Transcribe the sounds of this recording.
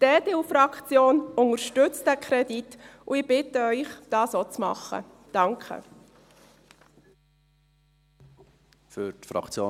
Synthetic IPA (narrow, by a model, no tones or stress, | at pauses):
d̥eːdeufrɑkt͡sjoːnʊŋəɾʃtʏt͡stdækʰɾɛditʊɪb̥ɪtəœʏχd̥ɑːsot͡smɑ̰χːə̰ | d̥ɑŋkʰə̰ | fʏɾtfɾɑ̰kt͡sjoː